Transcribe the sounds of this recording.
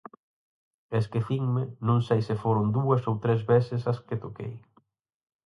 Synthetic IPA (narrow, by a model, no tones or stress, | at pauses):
eskɪθiŋmɪnõŋsejsɪfoɾʊnd̪uɐsowt̪ɾezβesɪsɐskɪt̪okḛj